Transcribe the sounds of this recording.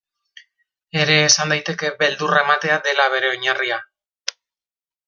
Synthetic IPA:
e̞ɾe̞ːsand̪ajt̪e̞ke̞be̞ld̪urae̞mat̪e̞ad̪e̞laβ̞e̞ɾe̞o̞ɲaria

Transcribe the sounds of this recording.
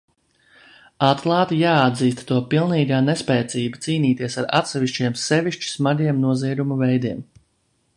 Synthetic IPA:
at̪lˠaːt̪ijaːad̪ziːst̪t̪uɔpilˠniːɡaːnespɛːt̪siːbat̪siːniːt̪iɛsaɾa̰t̪sɛviʃt͡ɕiɛmsɛviʃt͡ʃi̥smaɡiɛmnuɔziɛd̪umuvɛjd̪iɛm

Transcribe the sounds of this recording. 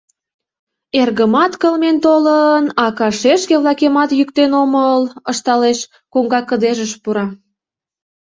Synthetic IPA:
erɣəmɑt̪kəlment̪olənɑkɑʃeʃkeβlɑkemɑt̪jykt̪enomələʃt̪ɑleʃ | koŋɡɑkəd̪eʒəʃpuɾɑ

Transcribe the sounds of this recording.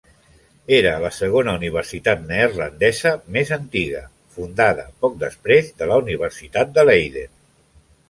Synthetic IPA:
eɾəːləsəɣonəuniβ̞əɾsit̪at̪̚nerlənd̪ɛzəmezənt̪iɣə̰ | fund̪aðə̰pɔk̚d̪əspɾezðələuniβ̞əɾsit̪at̪̚d̪əlɛjðḛ

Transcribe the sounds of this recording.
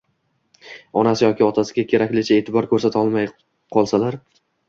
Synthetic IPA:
ɒnasɪjɒkʲɪɒt̪ʰasɪɡʲakʲʰe̞ɾakʲlɪt͡ʃʰaeːt̪ʰɪbɒɾkʰɵɾsat̪ʰaɒlˠmaj | qʰɒlˠsalaɾ

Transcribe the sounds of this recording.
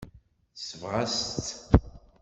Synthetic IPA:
səvʁast̪

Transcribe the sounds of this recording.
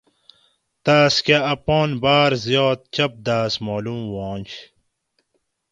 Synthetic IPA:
t̪aːskaɐpoːnbaːɾzjoːt̪̚t͡ɕɐp̚d̪aːsmoːlumwõːnɕ

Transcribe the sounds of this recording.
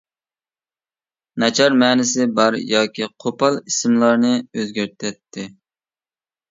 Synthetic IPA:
nɛt͡ʃʰɑɾmɛːnɪsɪbɑɾjɑːkʲiqʰopɑlˠisɪmlˠɑɾnɨøzɡʲæɾt̪ʰɛt̪ʰːɪ

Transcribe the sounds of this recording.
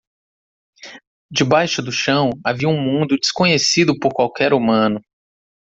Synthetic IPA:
d͡ʒɪbajʃʊd̪ʊʃɐ̃w̃aviɐũmũnd̪ʊd͡ʒɪskõɲesid̪ʊpoɾkwawkɛɾumɐ̃nʊ

